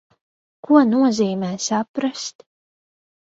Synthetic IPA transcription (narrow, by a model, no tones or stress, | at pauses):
kuɔnuɔziːmʲɛːsapɾast̪